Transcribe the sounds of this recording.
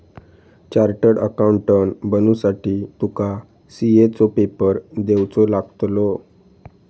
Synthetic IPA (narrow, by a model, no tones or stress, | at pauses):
t͡ɕaɾʈəɽə̰kauɳʈːənbənusaʈiːt̪uka | siet͡sopepəɾd̪ewt͡solaɡt̪lo